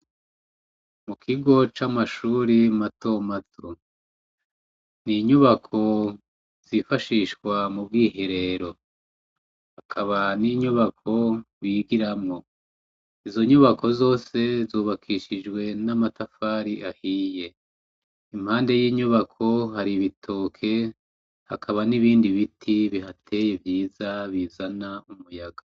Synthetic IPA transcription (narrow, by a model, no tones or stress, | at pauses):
mukʰiɡo̞t͡ʃamaʃuːɾimato̞matʰu | niɲuβakʰo̞ | z̥ifaʃiʃkwamub̚ɡiːhiɾe̞ɾo̞ | hakʰaβaniɲuβakʰo̞ | βiɡiɾamŋo̞ | izo̞ɲuβakʰo̞zo̞ːse̞zuːβakʰiʃid͡ʒɡwe̞namatafaːɾiʔahiːje̞ | im̥haːnde̞jiːɲuβakʰo̞haɾiβitʰoːkʰe̞ | ha̰kʰaβaniβiːndiβitʰiβiɦatʰe̞jevjiːzaβiːzanaumujaɡa